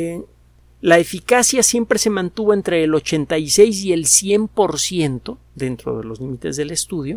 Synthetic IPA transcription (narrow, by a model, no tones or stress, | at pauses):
lae̞fikasjasje̞mpɾe̞se̞mãnt̪uβo̞e̞nt̪ɾe̞ːlo̞t͡ʃe̞nt̪ajse̞js̬ie̞lsje̞mpo̞ɾsje̞nt̪o̞ | ðe̞nt̪ɾo̞̰ðe̞̰lo̞zlimit̪e̞zðe̞le̞st̪uðjo̞